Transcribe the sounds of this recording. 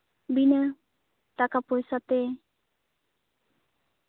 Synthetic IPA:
binə | t̪akapɔjsat̪e

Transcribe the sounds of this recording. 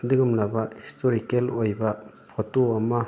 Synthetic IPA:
dɯɡumlabahistɔɾikelojba | pʰɔtoama

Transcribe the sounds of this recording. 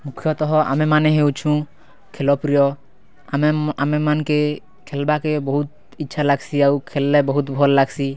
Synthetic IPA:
mukʰijɔt̪ɔɦɔʔa̰memaneɦewt͡ʃʰũ | kʰelɔpɾijɔ | amamemanke | kʰelbakebɔɦut̪̚ | itːʃʰalaɡsiawkʰelːɛbɔɦut̪bʱɔlːaɡsi

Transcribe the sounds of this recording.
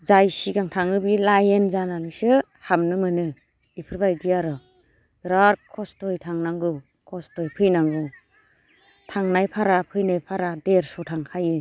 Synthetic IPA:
zajsiɡaŋtʰaŋɯbilajenzananisɯ | hamnɯmɯnɯ | ipʰɯɾbajdijaɾɔ | ɾaɾkʰɔstɔjtʰaŋnaŋɡɯ | kʰɔstɔjpʰɯjnaŋɡɯ | tʰaŋnajpʰaɾapʰɯjnajpʰaɾadeɾsɔtʰaŋkʰajɯ

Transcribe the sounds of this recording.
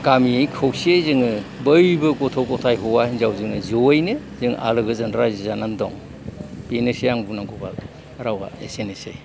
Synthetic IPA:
ɡamiejkʰɯwsezɯŋɯbɯjbɯkɔtʰɔwkɔtʰajɦɔwahinzawzɯŋɯzowɯjnɯ | zɯŋʔa̰lɯɡɯzɐndɾazizanandɔ̰ŋ | beneseaŋbunaŋɡɔba | ɾawa̰ḛsenesḛ

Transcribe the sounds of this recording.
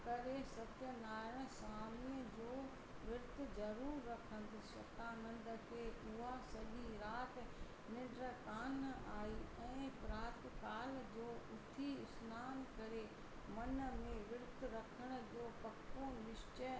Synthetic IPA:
kɐɾesɐt̪jənaːɾə̃saːmiəd͡ʑoː | ʋɪɾt̪zɐɾuːɾːɐkʰə̃nd̪ɪʃɐ̰t̪amɐ̃nd̪ə̆kʰeːʔɪasɐʄiɾaːt̪ | nɪ̃ɖɾəkaːnaːiɛ̃ːpɾaːɾt̪kaːld͡ʑoːʊt̪ʰiʊsnaːnkɐɾe | mɐnmẽʋɪɾt̪ɾɐkʰəɽ̃ə̆d͡ʑoːpɐkʰːonɪʃt͡ɕə

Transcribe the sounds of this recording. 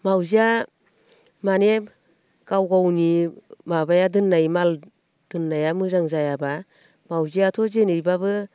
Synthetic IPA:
mawzia | mane | kawɡawnimabajadɯnːajmal | d̥ɯnːajamɯzaŋzajaba | mawziatʰɔzenɯjbabɯ

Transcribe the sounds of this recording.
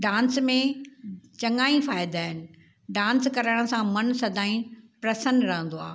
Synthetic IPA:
ɖãːnsmẽ | t͡ɕɐŋaːĩfaːɪd̪aːɦɪnɪ̆ | ɖãːnskɐɾaɽ̃̆sãmɐnsɐd̪ʱaːĩpɾɐsənɾɐɦə̃nd̪oa̰ː

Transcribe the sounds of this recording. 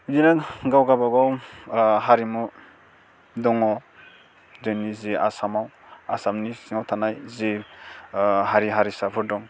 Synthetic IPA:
dinaɡawɡabaɡaw | ɦaɾimu | dɔŋɔ | denizea̰samaw | asamnisiŋawtʰanajze | ɦaɾiɦaɾisapʰɯɾdɔŋ

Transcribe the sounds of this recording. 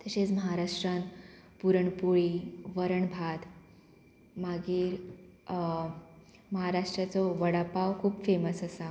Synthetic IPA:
t̪əɕet͡sməɦaɾaʂʈɾənpuɾəɳpuɭiʋəɾəɳbʱad̪ | maɡiːɾ | məɦaɾaʂʈɾat͡sɔʋəɽapaʋkʰuːbfeməsəsa

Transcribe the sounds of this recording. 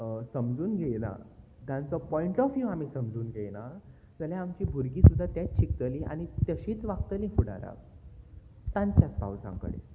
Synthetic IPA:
səmd͡zuːnɡʱeɭna̰ | d͡z̪ʱãnt͡sɔpɔiɳʈɔfjuam̤iːsəmd͡zuːnɡʱeɭna | d͡zəljaamt͡ɕiːbʱuɾɡiːsud̪ʱːat̪jat͡st͡ɕʰik̚t̪əlĩa̰ɽ̃it̪əɕiːt͡sʋakt̪əlĩfuɽa̰ɾa̰ʋ | t̪ãɲt͡ɕjaspa̰wd͡zã̰kə̰ɽḛ

